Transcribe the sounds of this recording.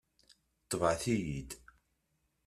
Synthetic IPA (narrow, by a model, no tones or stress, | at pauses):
t̪ˤːvʕθijid̪